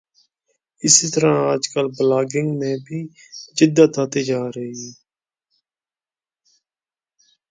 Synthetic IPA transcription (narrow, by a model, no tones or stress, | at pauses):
ɪsiːt̪əɾãːaːd͡ʒkəlblaːɡɪ̃ŋɡmẽːbʱiː | d͡ʒɪd̪at̪ʰaːt̪eːd͡ʒaːɾəɦiːeː